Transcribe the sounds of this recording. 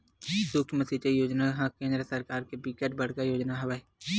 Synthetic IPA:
sʊkʰjməsit͡ʃejoːd͡ʒnaɦãkẽːnd̪ɾəsɐɾkaːɾkebikeʈbɐɽ̤kajoːd͡ʒnaɦɐʋae

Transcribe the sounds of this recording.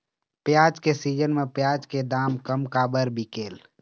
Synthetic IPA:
pjaːd͡ʒkesid͡ʒənmepjaːd͡ʒked̪aːmkəmkaːbəɾbʱikeːl

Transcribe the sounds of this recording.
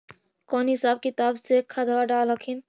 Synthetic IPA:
kɔːnɦɪsaːb̚kit̪absekʰad̪ʱawaɖalɦəkʰin

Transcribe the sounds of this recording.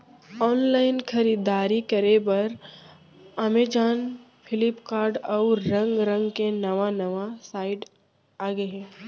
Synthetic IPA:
ɔːnlaːɪnkʰɐɾiːd̪aːɾikɐɾebɐɾ | ɐmed͡ʒaːn | pʰɪlɪpkaːɾɖɔːɾɐ̃ŋɡɾɐ̃ŋɡkenɐʋanɐʋasaːɪɖ | aːɡəɦɛ̃ː

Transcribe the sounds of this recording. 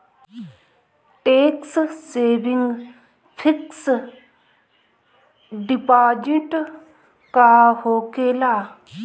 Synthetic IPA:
ʈeːksseːbiŋɡ | pʰiks | ɖipaːd͡ʒiʈ | kaːhoːkeːlaː

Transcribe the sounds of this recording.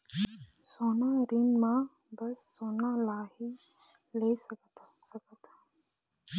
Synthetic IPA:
soːnaɾinmãbɐsːoːnalaːhileisəkət̪səkət̪ː

